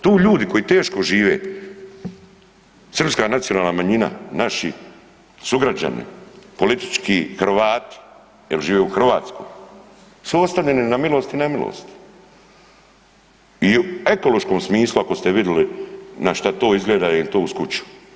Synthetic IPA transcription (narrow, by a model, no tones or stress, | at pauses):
t̪uːʎuːd̪iko̞jit̪e̞ːʃko̞ʒiːʋe̞̰ː | sr̩pskaːnat̪sijo̞naːlˠnamaɲina̰naʃḭ | suɡɾad͡ʑa̰nḭpo̞lit̪i̥t͡ʃkiːxr̩ʋaːt̪i̥ | jelʒiːʋe̞uxr̩ʋaːt̪sko̰j | suost̪aʋʎe̞ninamilˠo̞st̪inamilo̰ːst̪i̥ | iue̞ko̞lo̞ʃko̞ːmsmiːslˠuako̞st̪eʋid̪jelinaʃt̪at̪o̞ːizɡleːd̪ajelit̪o̞ːuskut͡ɕu̥